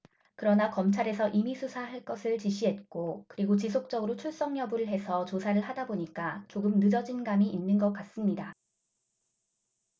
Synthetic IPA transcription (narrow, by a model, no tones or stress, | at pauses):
kɯɾʌnakʌmt͡ɕʰaɾe̞sʰʌʔimisʰusʰaɦaɭk͈ʌsʰɯɭt͡ɕiɕʰiɦe̞t̚k͈okɯɾiɡot͡ɕis̬ʰok̚t͡ɕ͈ʌɡɯɾot͡ɕʰuɭs͈ʌŋɲjʌbɯɾɯɭɦe̞sʰʌt͡ɕosʰaɾɯɭhadaboɲik͈at͡ɕoɡɯmnɯd͡ʑʌd͡ʑinɡamiʔinːɯnɡʌk͈as͈ɯmɲida